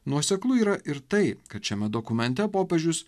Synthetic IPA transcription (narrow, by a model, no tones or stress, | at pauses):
nuɔsʲɛklˠʊiːɾɐʔɪɾt̪ɐɪkɐt̪ʃʲɛmʲɛd̪okʊmʲɛnʲt̪ʲɛpoːpʲɛʒʲʊs